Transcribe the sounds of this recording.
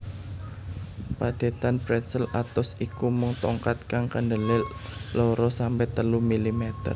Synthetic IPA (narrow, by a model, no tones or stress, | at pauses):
pad̥e̤t̪anpɾɛt̪səlat̪ɔsikumʊŋt̪ɔŋkat̪̚kaŋkənɖəlɪlɔɾɔsampɛt̪əlumilimɛt̪ə̰r